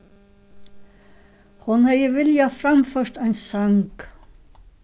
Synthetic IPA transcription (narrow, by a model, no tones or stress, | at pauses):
hʊnhɛjəvɪljafɾamfœɾ̥t̪ajnsaŋk